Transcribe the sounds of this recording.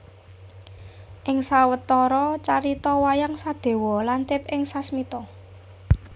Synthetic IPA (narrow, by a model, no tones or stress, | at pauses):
ʔɪŋsawət̪ɔɾɔt͡ʃaɾit̪ɔwajaŋsad̪̥e̤wɔlant̪ɪp̚ɪŋsasmit̪ɔ